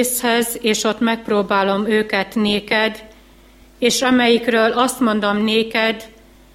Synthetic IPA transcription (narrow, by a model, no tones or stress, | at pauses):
shɛzeːʃo̞t̪ːmɛk̚proːbaːlo̞møːkɛt̪neːkɛd̪ | eːʃɒmɛjikrøːlɒst̪mo̞nd̪o̞mneːkɛd̪